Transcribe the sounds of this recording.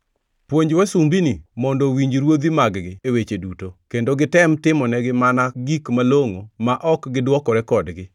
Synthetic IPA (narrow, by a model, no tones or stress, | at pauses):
pwoɲd͡ʒwasumbinimɔndɔwiɲd͡ʒɾwod̪imaɡɡɪewet͡ʃedutokendoɡɪtɛmtɪmɔnɛɡɪmanaɡikmaloŋomaʔɔkɡɪdwɔkɔɾɛkɔdɡɪ